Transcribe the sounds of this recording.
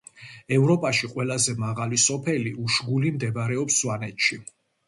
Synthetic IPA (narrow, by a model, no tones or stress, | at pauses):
ɛvɾɔpʼaʃiqʼwɛlazɛmaʁalisɔpʰɛliʔuʃɡulimd̪ɛbɾɛɔpswanɛt̪ʃi